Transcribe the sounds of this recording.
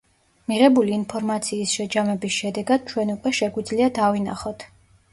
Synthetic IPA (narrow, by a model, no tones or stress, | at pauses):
miʁɛbuliːnpʰɔɾmat̪sʰiːsʃɛd͡ʒamɛbisʃɛd̪ɛɡad̪̥̚t͡ʃʰwɛnukʼwɛʃɛɡwid̪zliad̪avina̰χɔt̪ʰ